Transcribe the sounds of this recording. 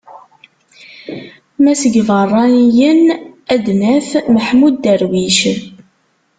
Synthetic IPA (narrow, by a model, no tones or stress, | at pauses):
mæsəɡvˤɑrˤːɑnijənæd̪næθməħmud̪əɾwiʃ